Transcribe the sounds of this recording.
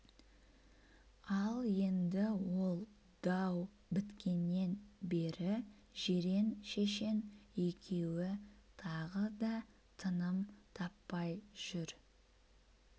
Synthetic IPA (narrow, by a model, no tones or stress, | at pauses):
ɑlˠje̞nd̪ɪwo̞lˠ | d̪̥ɑw | bɪt̪kʲʰe̞nːe̞nbe̞ɾɪ | ʒe̞ɾe̞nʃe̞ʃe̞nekʲʰe̞wɪt̪ʰɑʁəd̪ɑ | t̪ʰənəmt̪ʰɑpːɑjʒ̥ʏɾ